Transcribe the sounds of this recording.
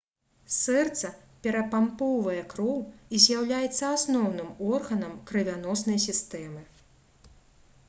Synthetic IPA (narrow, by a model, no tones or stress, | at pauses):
sɛrt̪sɐpʲɛɾɐpampɔwvɐjɛkɾɔwizʲjawlʲajɛt̪sːɐasnɔwnɨmɔrɣɐnɐmkɾɨvʲanɔsn̪ɐjsʲist̪ɛmɨ